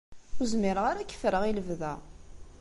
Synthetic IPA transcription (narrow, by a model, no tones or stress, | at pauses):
ʊzmiɾəʁaɾækːə̥fɾəʁiləvðæ̰